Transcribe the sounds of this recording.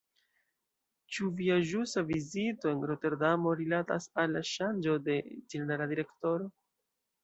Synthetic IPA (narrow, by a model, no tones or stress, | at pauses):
t͡ʃuviaʒusavizito̞enɾo̞te̞ɾdamo̞ɾilatasalːaʃand͡ʒo̞de̞d͡ʒeeneɾadiɾe̞kto̞ɾo̞